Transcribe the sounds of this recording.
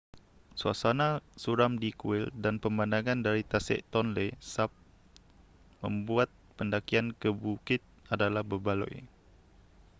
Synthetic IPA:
sua̰sanãsuɾamdikuɪldanpəmbandaŋãndaɾit̪asɛ̰ʔt̪ɔnlesap̚ | mə̰̃mbuat̪̚pəndakiankəbukɪt̪̚adalahbəbalɔ̰j

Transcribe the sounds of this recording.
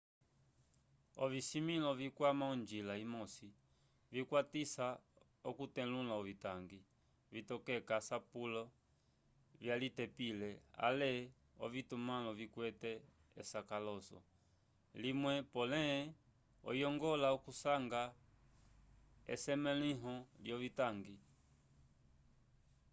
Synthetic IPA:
ɔvisimilɔvikwamaund͡ʒilaimɔsi | vikwatisa | ɔkutɛlulaɔvitaŋɡi | vitɔkɛkasapulɔ | vjalitɛpilɛa̰lɛ | ɔ̰vitumalɔvikwɛtɛ | ɛsakalɔsɔ̰ | limwɛpɔlɛ | ɔ̰jɔŋɡɔlaɔkusaŋɡa | ɛ̰sɛmɛliɦɔljɔvitaŋɡi

